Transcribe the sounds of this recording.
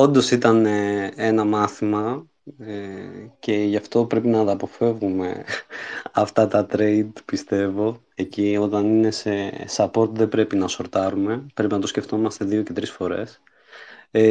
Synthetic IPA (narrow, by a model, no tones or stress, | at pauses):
o̞nd̪o̞sit̪ɐneenɐmɐθimɐ | ce̞ʝɐft̪o̞pɾe̞pinɐt̪ɐːpo̞fe̞vɣume̞ | ɐft̪ɐt̪ɐt̪ɾe̞id̪pist̪e̞vo̞ | e̞cio̞t̪ɐnine̞sesɐpo̞ɾt̪ðe̞bɾe̞pinɐso̞ɾt̪ɐɾume̞pɾe̞pinɐt̪o̞sce̞ft̪o̞mɐst̪e̞ðio̞ce̞t̪ɾisfo̞ɾe̞̰s